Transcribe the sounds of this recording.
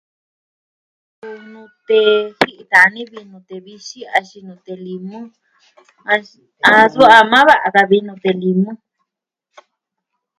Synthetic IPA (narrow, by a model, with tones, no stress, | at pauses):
ku˧nũ˧t̪e˧hi˦ʔi˧t̪a˨˧nĩ˦βi˧nũ˧t̪e˨βi˧ʃi˦a˧ʃi˧nũ˧t̪e˧li˧mũ˦ | ã˧ | a˧su˦a˧mã˦βa˦ʔa˧ka˧βi˧nũ˧t̪e˨li˧mũ˦